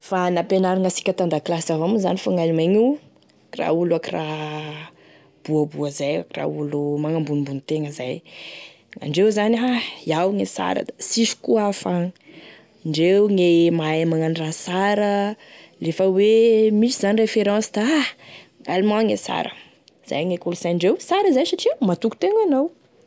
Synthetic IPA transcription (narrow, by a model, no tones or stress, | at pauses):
fanapenaɾaŋasi̥kʲət̪and̪aklasavamuzanifaŋalimaɲu | ra̰ulakira | b̥uəbuəzaja̰kira̰ulumaŋambunimbunit̪eŋəzaj | a̰ɳɖ͡ʐewzanɦaiawŋesa̰ɾə̰d̪asiʃu̥kuafaŋ | ɳɖ͡ʐewŋemaemaŋanirasaɾə | lefəwemisizanirefeɾɑ̃sd̪a | alimãŋesa̰ɾə̰ | z̥a̰jŋekulz̥ajaɳɖ͡ʐewsaɾəzajsaʈ͡ʂimat̪uku̥t̪eŋanaw